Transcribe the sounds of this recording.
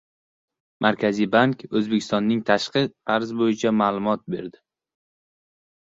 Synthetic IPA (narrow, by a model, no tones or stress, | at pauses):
mʔaɾkʲʰazijbaŋkʲɵzbekʲʰɪst̪ɒnːɪŋt̪ʰaʃqɨq̪ʰaɾzbojɪt͡ʃʰamaːlˠʊmɒt̪̚be̞ɾd̪ɪ